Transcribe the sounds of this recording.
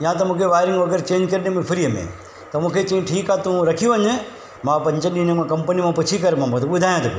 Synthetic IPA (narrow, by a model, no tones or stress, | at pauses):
ɪɦãt̪ɐmũːkʰeʋaːɪɾɪ̃ŋɡʋɐɡəɾt͡ɕeːɲd͡ʒkɐɾnẽmẽpʰɪɾijəmḛ̃ | t̪ɐmũːkʰet͡ʃĩːʈʰiːkat̪ũɾɐkʰijũɦəɲ | mãpɐ̃ɲt͡ʃəɗĩnẽmãkɐmpənimãpʊt͡ɕt͡ʃʰikɐɾmãmũt̪ɓʊd̪ʱaːjãt̪ɐpʰḭ